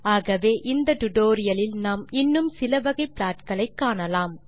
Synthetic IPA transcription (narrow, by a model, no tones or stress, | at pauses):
aːɣɐʋeːʔɪnd̪ɐʈʊʈoːɾɪjɐlɪlnaːmɪnːɯmsɪlɐʋɐɣɐɪpɪlaːʈkɐɭɐɪkːaːɳɐlaːm